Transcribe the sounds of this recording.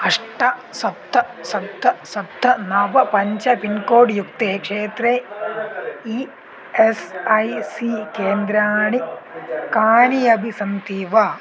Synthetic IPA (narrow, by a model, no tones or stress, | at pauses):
ɐʂʈɐsɐb̚t̪ʰːɐsɐb̚d̪ʱɐsɐb̚d̪ʱːɐnɐʋɐpɐɲt͡ʃɐʋinkoːɖjukt̪ekʂeːt̪ɾeː | i | esɐjsikeːnd̪ɾaːɳikaːnijɐbʱisɐnt̪iːʋɐ